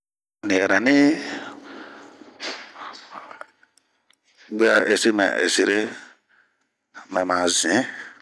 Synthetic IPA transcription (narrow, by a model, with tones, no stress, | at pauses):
nĩ˨ɛ˨ɾa˨nĩ˦ | ɡ͡be˦a˧ʔe˨si˦mɛ̰̃˨ḛ˨si˧ɾe˦ | mɛ̃˨mã˨zĩ˨˦